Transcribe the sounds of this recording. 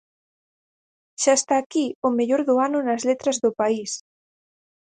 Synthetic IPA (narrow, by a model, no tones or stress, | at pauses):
ʃaest̪aːkiomeʎoɾðʊanʊnazlet̪ɾɐzðʊpais